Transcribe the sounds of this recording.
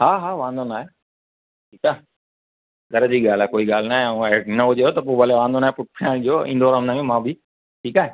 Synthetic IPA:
ɦaːɦaːʋãːnd̪oːnaːɦe | ʈʰiːkaː | ɡəɾd͡ʑiːɠaːlaːkoːiɠaːl̤naːɦẽenɐɦʊd͡ʒeɦoːt̪ɐp̬oːʋəleʋãːnd̪oːnaːɦepʊʈ̚ʰpʰãːɽ̃ʄoːɪ̰̃nd̪oːɾannaːjũmãːbʱi | ʈʰiːkaːɦe

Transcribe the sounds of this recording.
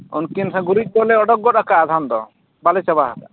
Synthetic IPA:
ɔ̰nkinsaɡuɾic̚ˀbɔlɛɔɖɔk̚ɡɔtakaːd̪ʱand̪ɔ | balɛt͡ʃabaɦaka

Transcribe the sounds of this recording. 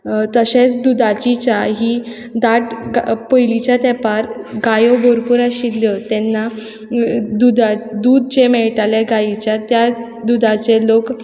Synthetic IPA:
t̪əɕẽt͡sd̪ud̪at͡ɕit͡ɕaɦiː | d̪aʈpəjlit͡ɕjat̪ɛpaɾɡajoboɾpuɾaɕilːjət̪ɛnːa | d̪ud̪ad̪uːd̪̚t͡ɕemɛɭʈaljeɡait͡ɕjat̪ja | d̪ud̪at͡selok

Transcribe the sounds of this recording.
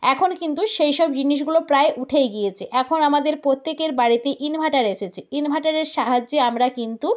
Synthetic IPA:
ɛkʰonkint̪uʃejʃɔbd͡ʑiniʃɡulopɾaeʔuʈʰejɡijet͡ɕʰiʔɛkʰonamad̪eɾpɾot̪ːekeɾbaɽit̪eʔinbʱaʈaɾeʃet͡ɕʰiinbʱaʈaɾeɾʃaɦad͡ʑeamɾakint̪u

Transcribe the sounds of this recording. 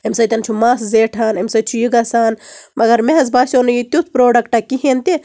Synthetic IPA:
emsɐjt̪ɐnt͡ʃʰumaːszeːʈʰaːnemsɐt͡ʃʰujiɡɐsaːnmɐɡɐɾmeɦɐzbaːsʲoːnɐjit̪ut̪ʰpɾoːɖɐkʈakiɦent̪e

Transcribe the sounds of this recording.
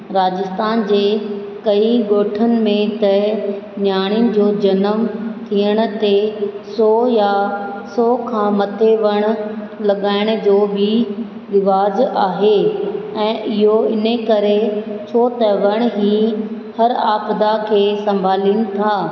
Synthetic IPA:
ɾaːd͡ʑɪst̪aːnd͡ʑeː | kɐiɡoːʈʰənɪ̆mẽt̪ɐnjaːɽ̃ijʊnɪ̆d͡ʑoːd͡ʑɐnəmt̪ʰijəɽ̃̆t̪esɔːjasɔːkʰãːmɐt̪ʰeʋɐɽ̃̆ | lɐɠaːɪɽ̃d͡ʑoːbɪ | ɾɪʋaːzaːɦeɛ̃ːʔɪɦoɪnekɐɾet͡ɕʰoːt̪əʋɐɽ̃ɦiː | hɐɾaːpd̪akʰeːsɐ̃mbʱaːliːnɪ̆t̪ʰaː

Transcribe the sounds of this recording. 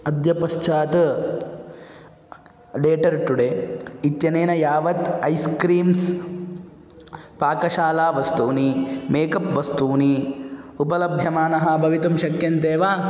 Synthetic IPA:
ɐd̪jɐpɐʃt͡ʃaːt̪ | leːʈɐɾʈuɽeːit̪jɐneːnɐjaːʋɐt̪ɐjskɾiːms | paːkɐʃaːlaːʋɐst̪uːnimeːkɐpʋɐst̪uːniupɐlɐbʱjɐmaːnɐɦɐ̆bʱɐʋit̪umʃɐkjɐnt̪eːʋaː

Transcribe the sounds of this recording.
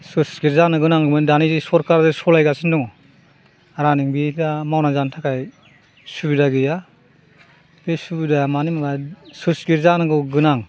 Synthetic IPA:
susɡiɾzanɯɡɯnaŋɡɯmɯndanizisɔɾkaɾzesɔlajɡasindɔŋɔ | aɾaniŋbilamawnazantʰakʰaj | subidaɡija | besubidamanimabasusɡiɾzanɯɡɯɡɯnaŋ

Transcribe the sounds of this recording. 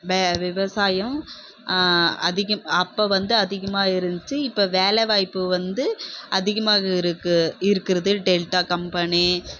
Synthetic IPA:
ʋeːʋɪʋɐsaːjɐm | ɐðɪɣɐmɐpːoːʋɐnd̪ɯɐðɪɣɐmaːɪɾɯndt͡ʃːɯɪpːoːʋeːlɛʋaːjpːɯʋɐnd̪ɯʔɐðɪɣɐmaːɣɐɪɾɯkːɯɪɾɯkːɪɾɐðɯɖelʈaːkɐmpɐni

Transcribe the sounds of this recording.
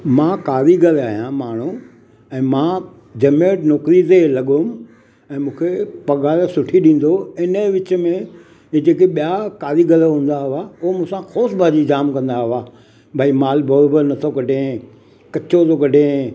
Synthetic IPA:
mãːkaːɾiɡɐlaːɦijãmaːɳ̤ũ | ɛ̃ːmãː | d͡ʑɐmeːʈnɔːkɾizelɐɠʊm | ɛ̃ːmũːkʰepɐɣaːɾsʊʈʰiɗĩːn̆d̪oɪnə̆ʋɪt͡ɕmẽ | d͡ʑeːkeɓijakaːɾiɡɐlɦũːn̆d̪aɦɪʋaʊɦomũsãxoːsbʱaːd͡ʑid͡ʑaːmkɐ̃nd̪aɦɪʋaː | bʱaːimaːlbʱɐɾobəɾnɐt̪ʰokɐɖʱẽ | kɐt͡ɕot̪ʰokɐɖʱẽ

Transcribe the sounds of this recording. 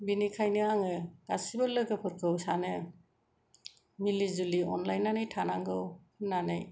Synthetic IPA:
binikʰajnɯaŋɯɡ̥asibɯlɯɡɯpʰɯɾkʰɯwsanɯ | milizuliɔ̰nlajnːanajtʰanaŋɡɯwʰ | nanaj

